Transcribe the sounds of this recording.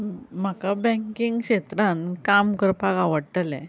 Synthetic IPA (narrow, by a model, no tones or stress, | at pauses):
m̤akabɛ̃ŋkiŋɡkɕet̪ɾãnkamkəɾpakaʋəɽʈ̪əlɛ̰̃